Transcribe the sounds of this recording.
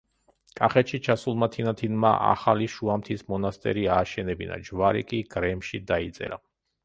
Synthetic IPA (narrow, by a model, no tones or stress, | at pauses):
kʼaχɛt̪ʃit͡ʃʰasulˠmat̪ʰinat̪ʰinmaʔa̰χaliʃuamt̪ʰismɔnast̪ʼɛ̰ɾiaːʃɛnɛbina̰d͡ʒvaɾḭkʼiɡ̥ɾɛmʃid̪ait̪sʼɛ̰ɾa